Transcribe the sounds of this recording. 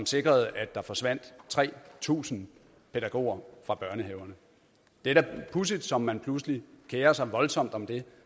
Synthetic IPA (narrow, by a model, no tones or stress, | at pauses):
sɒ̽mse̝ɡ̥ʁɐð̞̩ˠæd̥̚ɑ̈fɒ̽sʋæn̰d̥t͡sʰʁɛ̰ːt͡sʰṵːsn̩ | pʰe̝d̥æɡ̥o̝̰ːɐfʁɑ̈b̥ɶɐnəɦeʊɐnə | d̥eɾæpʰus̬id̥sɒ̽mːænpʰlus̬əlikʰeːɐsɑ̈ɪʋɒ̽lsɒ̽m̰d̥ɒ̽md̥e̝